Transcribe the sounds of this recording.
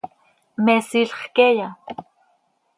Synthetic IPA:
mesiɬχkeja

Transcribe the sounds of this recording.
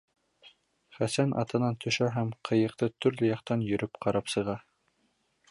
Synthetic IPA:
χæsænʔɑ̰t̪ɤ̆nɑnt̪ʰɵ̆ʃæɦæmqʰɤ̆jɤ̆q̚t̪ɤt̪ɵ̆ɾlɘjɑqt̪ɑnjɵ̆ɾɵpqʰɑɾɑpsɤ̆ʁɑ

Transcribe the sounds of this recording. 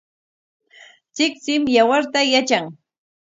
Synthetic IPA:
t͡sɪkt͡sɪmjawaɾt̪ajat͡ʃaŋ

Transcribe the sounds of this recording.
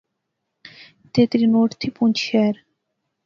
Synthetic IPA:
t̪et̪ɾinoʈt̪ʰipunt͡ɕɛːɾ

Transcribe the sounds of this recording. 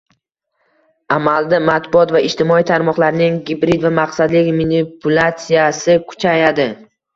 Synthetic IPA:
amald̪amat̪bʊɒt̪vaɪʃt̪ʰɪmɒijt̪ʰaɾmɒqlˠaɾnɪŋɡʲɪbɾid̪vamaqsad̪lɪkʲminɪpʰʊlˠat̪sijasɪkʰʊ̥t͡ʃʰajad̪ɪ

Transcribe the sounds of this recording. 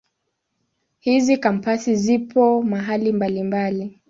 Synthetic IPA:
hizikam̩pasizipʰɔmaɦalimbalimbali

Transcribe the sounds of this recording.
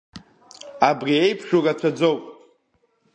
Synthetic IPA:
abriejpʰʂᶣurat͡ɕʷʰad͡zo̞wpʼ

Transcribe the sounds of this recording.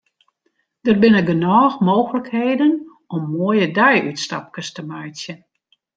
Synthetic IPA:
d̥ərbɪnəɡənɔːxmoːxələkheːdən | ɔmːoəjədɛjytsta̰p̚kəstəmajtjə

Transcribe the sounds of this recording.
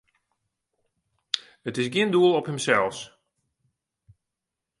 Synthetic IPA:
ətɪsɡiənduəlˠɔphəmsɛlˠs

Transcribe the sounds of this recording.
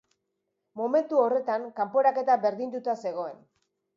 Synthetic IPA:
mo̞me̞nt̪uo̞re̞t̪aŋkampo̞ɾake̞t̪abe̞ɾðind̪ut̪ase̞ɣo̞e̞n

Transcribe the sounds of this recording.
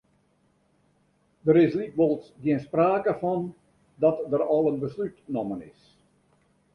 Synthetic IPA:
dəɾɪslikʋolˠsɡiɪənspraːkəfɔn | dɔtdərɑlˠənbəslytnɔmənɪ̰s

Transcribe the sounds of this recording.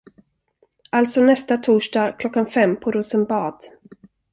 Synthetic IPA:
ʔalt̪sɔnɛst̪at̪ʰuːʂɖɑːkʰlɔkːanfɛmːpʰɔɾuːsənbɑːd̪̥

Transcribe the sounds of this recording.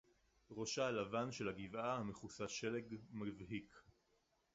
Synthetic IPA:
ʁo̞ʃalavanʃe̞lhaɡivahameχusaʃeleɡmavɦik

